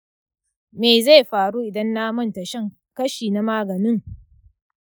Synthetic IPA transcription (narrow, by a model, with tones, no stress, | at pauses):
meː˨za˦˨jɸaː˨ɽuː˦ʔɪ˨dɐ˦nːaː˦mɐ˦nta˨ʃɛ˦ŋ | kɐ˦ʃiː˨na˦maː˦ɡɐ˨nɪ˦ŋ